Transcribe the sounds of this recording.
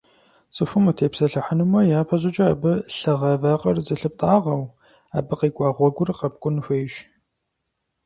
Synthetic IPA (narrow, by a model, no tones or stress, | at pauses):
t͡sʼɨfɨmutʰeːpsɐɬɐħənɨmɐjaːpʰɐʑɪt͡ʃʼɐabɨɬɨʁɐvaːqʼɐrzɨɬɨp̚tʼaːʁɐw | a̰ːbɨqiːkʷʼɑːʁʷɔɡʷʊrqɐp̚kʷʼʊnfʷejʃ